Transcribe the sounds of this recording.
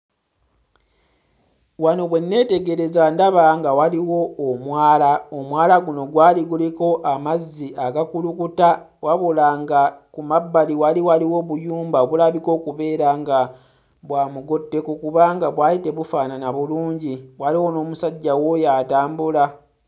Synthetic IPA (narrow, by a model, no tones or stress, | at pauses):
wano̞βwe̞nːe̞ːte̞ɡe̞ɾe̞zandaβaŋɡawaliwo̞ːmwaːlaomwaːlaɡuno̞ɡwaːliɡuliko̞ʔamazːiʔaɡakulukuta | waβulaŋɡakumabːaliwaliwaliwo̞βujuːmbaoβulaβiko̞ːkuβe̞ːɾaŋɡa | βwaːmuɡo̞tːe̞kokuβaŋɡaβwaːite̞βufaːnanaβuluːɲɟiwaliwo̞no̞ːmusaɟːawo̞jaːtaːmbula